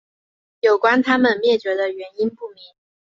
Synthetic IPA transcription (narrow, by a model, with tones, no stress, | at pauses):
jo˨˩ʊkwa˥nt̪ʰa˥mə˨nmjɛ˥˩t͡ɕɥɛ˧˥d̪ə˧ɥɛ˧˥ni˥npu˥˩mi˧˥˦ŋ